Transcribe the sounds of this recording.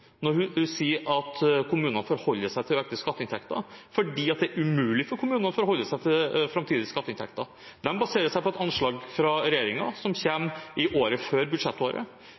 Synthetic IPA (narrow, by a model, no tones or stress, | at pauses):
nɔɾhʉhʉsiːəɾɑt̪kʰʊmʉːnənfɔːɾhɔlːəsæɪt̪ʰɪløːk̚t̪əskɑt̪ːəɪnt̪ʰɛkt̪ɑ̰fɔɖiːɑt̪̚d̪ɛæɾʉmʉːlɪfɔɾkʰʊmʉːnɑnfɔɾɔhɔlːəsæɪt̪ʰɪlfɾɑmt̪ʰiːd̪ɪskɑt̪ːəɪnt̪ʰɛ̰kt̪ɑ | d̪ɛnbɑseːɾəsæɪpɔɛt̪ɑnʂɭɑːɡfɾɑɾɛjeːɾɪŋɑ̰sɔmçeːmʔɪʔoːɾəføːɾbʉd̪ʂɛt̪ːoːɾə̰